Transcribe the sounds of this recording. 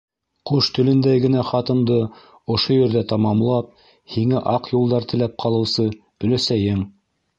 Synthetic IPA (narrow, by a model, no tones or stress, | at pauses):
quʃt̪ɵ̆lɘ̆nd̪æjɡɘ̆næχɑt̪ɤ̆md̪ɤ | ŏʃojɵ̆ɾðæt̪ɑmɑmlˠɑp̚ | hiŋæʔɑqjulˠd̪ɑɾt̪ɘ̆læp̚qʰɑlˠɤ̆wsɤ | ɵ̆læsæjɘm